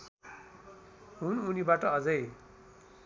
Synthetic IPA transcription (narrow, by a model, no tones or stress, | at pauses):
ɦununibaʈʌʌd͡zʌj